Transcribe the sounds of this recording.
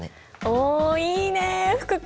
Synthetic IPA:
oːiːneɸɯ̥kɯk

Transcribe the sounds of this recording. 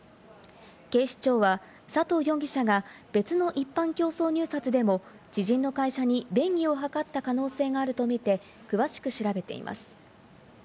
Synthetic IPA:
ke̞ːɕi̥t͡ɕo̞ːβa | sat̪o̞ːjõ̞ŋɡʲiɕaɡab̥e̞t͡sɨno̞ʔipːãŋkʲo̞ːso̞ːɲ̟ɨ̟ːsat͡sɨd̪e̞mo̞ | d͡ʑ̥iʑĩnːo̞kaiɕaɲ̟ibẽ̞ŋɡʲio̞ɦakat̪ːakano̞ːse̞ːɡaːɾɯ̟t̪o̞mʲit̪e̞ | kɯ̟βaɕi̥kɯ̟ɕiɾabe̞t̪e̞̰ḭmʔa̰sɨ̥

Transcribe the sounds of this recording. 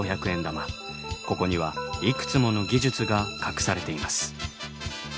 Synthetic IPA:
oçakɯ̟ẽnd̪ama | ko̞ko̞ɲ̟iβaikɯ̟̥t͡sɨmo̞no̞ɡʲiʑɨt͡sɨɡakakɯ̟̥saɾe̞t̪e̞imasɨ̥

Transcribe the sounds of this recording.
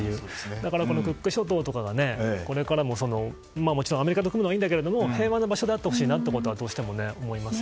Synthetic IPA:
ejɯ̟ːd̪akaɾako̞no̞kɯ̟kːɯ̟ɕo̞t̪o̞ːt̪o̞kaɡane̞ko̞ɾe̞kaɾamo̞so̞no̞ | maːmo̞t͡ɕiɾõame̞ɾʲikat̪okɯmɯnoaĩːnd̪ake̞ɾe̞d̪o̞mo̞he̞ːβanːobaɕod̪eat̪ːeho̞ɕiːnat̪ːeko̞t̪o̞βad̪oːɕi̥t̪e̞mo̞ne̞omo̞imasɨ̥

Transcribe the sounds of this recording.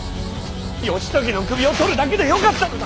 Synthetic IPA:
joɕʰi̥t͡ɕ͈ʌɡinɯnkɯbiʌtʰoɾɯɭnaɡidejʌkat̚t͈a

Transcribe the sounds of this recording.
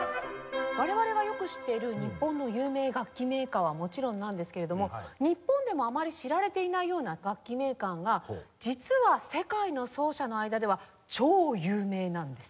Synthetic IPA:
βaɾe̞βaɾe̞ɡajo̞kɯ̟ɕi̥t̪ːe̞iɾɯ̟ɲ̟ipːõ̞nːo̞jɯːme̞ːɡakʲːime̞ːkaːβamo̞t͡ɕiɾõ̞nːãnd̪e̞sɨ̥ke̞ɾe̞d̪omo̞ɲ̟ipːõ̞nd̪e̞mo̞amaɾʲiɕiɾaɾe̞t̪e̞inaijo̞ːnaɡakʲːime̞ːkãŋɡad͡ʑit͡sɨβase̞kaino̞so̞ːɕano̞aid̪ad̪e̞β̞a | t͡ɕo̞ːjɯ̟ːme̞ːnãnd̪e̞sɨ̥

